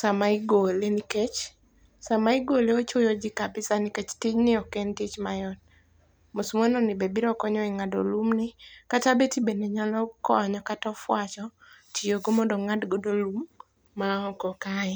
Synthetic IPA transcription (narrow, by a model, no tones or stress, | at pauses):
samaiɡoleniket͡ʃ | samaiɡoleot͡ʃojod͡ʒɪkabɪsanɪket͡ʃtɪɲnɪɔkɛntɪt͡ʃmajɔn | mosmwanɔnɪbebiɾɔkɔɲɔɛŋado̰lumnɪkatabetibeneɲalɔkɔɲɔkatɔfwat͡ʃɔ | tʰioɡomɔndoŋadɡodolumː | aɔkɔkaɛ